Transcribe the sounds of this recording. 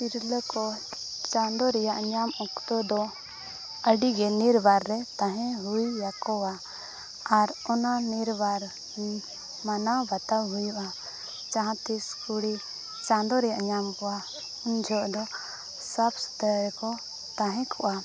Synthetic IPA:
piɾləkɔt͡ʃãnd̪ɔɾɛjaʔɲamɔkt̪ɔd̪ɔ | əɖiɡɛniɾbaɾːɛt̪ãɦɛ̃ɦujːakɔwa | aɾɔnaniɾbaɾ | manabat̪awɦujuʔa | t͡ʃaɦãt̪iskuɽi | t͡ʃãnd̪ɔɾɛjaʔɲamkɔa | und͡ʒʱɔʔd̪ɔ | sapsu̥d̪aɾɛkɔ | t̪ãɦɛ̃kʰɔʔa

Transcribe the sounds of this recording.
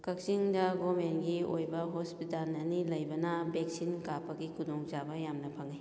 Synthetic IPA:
kɐk̚siŋdɐɡɔmenɡiojbɐɦospitalɐnilɐjbɐnɐbek̚sinkapɐɡikʰudɔŋd͡ʒabɐjamnɐpʰɐŋij

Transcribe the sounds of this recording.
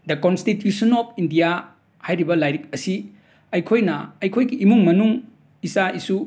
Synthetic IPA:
dɐkonstitjusɐnɔpʰindija | hajɾibɐlajɾik̚ɐsi | ɐjkʰojnɐːjkʰojɡiʔːmuŋmɐnuŋ | isaisu

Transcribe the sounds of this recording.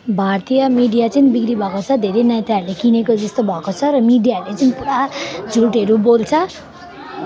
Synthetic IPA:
bʱart̪ijʌmiɖijat͡sʌnibikɾibʱʌkot͡sʰʌd̪ʱeɾenaj̃t̪arlekinekod͡zʌst̪obʱʌkot͡sʰʌɾʌmiɖijalet͡sʌnipuɾad͡zʱuʈeɾubolt͡sʰʌ

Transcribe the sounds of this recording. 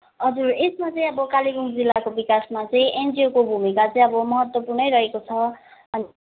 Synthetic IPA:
ʌd͡zuresmat͡sʌĩʌbʌkaliɡuŋd͡zilːakobikasmat͡saj̃ʔendiokobʱumikat͡sʌ̃ij̃ʌbʌmʌɦʌt̪wʌpurnʌjɾʌɦekot͡sʰʌʌni

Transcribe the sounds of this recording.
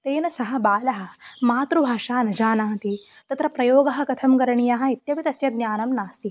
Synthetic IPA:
t̪eːnɐsɐɦɐ̆baːlɐɦɐ̆maːt̪ɾubʱaːʂaːnɐd͡ʒaːnaːt̪i | t̪ɐt̪ɾɐpɾɐjoːɡɐɦɐ̆kɐt̪ʰɐmkɐɾɐɳijɐɦɐ̆it̪jɐpit̪ɐsjɐd̪nʲjaːnɐmnaːst̪i

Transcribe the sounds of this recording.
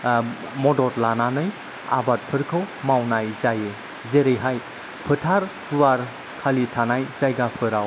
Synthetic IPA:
mɔdɔɾlananɯj | a̰bat̚pʰɯɾkʰɯwmawnajzaje | zeɾɯjɦaj | pʰɯtʰaɾhuwaɾ | kʰalitʰanajzajɡapʰɯɾaw

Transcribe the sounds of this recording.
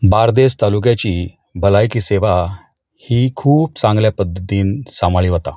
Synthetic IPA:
baɾd̪est̪aluk̬jat͡ɕiː | bʱəlajkiːseʋa | hiːkʰuːpt͡sãŋɡljapəd̪ːət̪iːnsamaɭiːɦət̪a

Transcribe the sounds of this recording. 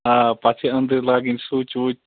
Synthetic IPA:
apaːt͡ʃʰeə̃nd̪əɾlaːɡĩnsuːt͡ʃuː

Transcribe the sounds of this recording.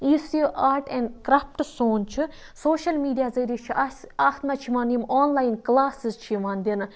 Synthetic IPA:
isjiʔaːɾʈɛɳɖkɾaːfʈsoːnt͡ʃʰi | soːʃɐlmiːɖijaːzɐːɾit͡ʃʰiaːsʰt̪mɐt͡ʃʰimaːnjimaːnlaːjnklaːsizt͡ʃʰijmaːnd̪ʲin

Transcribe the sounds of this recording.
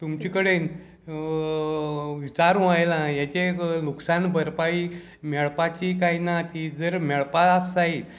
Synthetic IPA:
t̪umt͡ɕikəɽen | ʋit͡saɾũajlãjat͡ɕeluksanbəɾpai | meɭpat͡ɕikainat̪id͡zəɾmeɭpaasait̪

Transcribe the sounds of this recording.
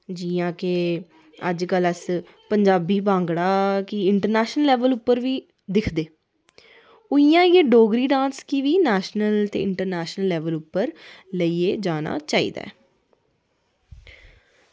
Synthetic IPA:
d͡ʒiːãːke | ə̰d͡ʒkələs | pəɲd͡ʒaːbiːbãːŋɡɽaːkɪɪɳʈəɾnɛːʃnəlɛːʋəlʊpːəɾʋiː | d̪ɪkʰd̪eː | ʊiːjãːɪeːɖoːɡɾiːɖãːnskiʋiːnɛːʃnəlt̪ḛːɪɳʈəɾnɛːʃnəlːɛːʋəlʊpːəɾləiːeːd͡ʒaːna̰ːt͡ʃaːḭːd̪a̰ːɛ

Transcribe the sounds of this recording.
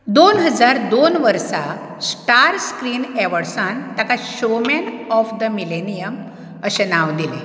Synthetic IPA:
d̪onɦəd͡zaɾd̪onʋəɾsa | sʈaɾskɾiːnɛʋəɽsãnt̪akaɕomɛnɔfd̪əmilenijəm | əɕenaʋd̪ile

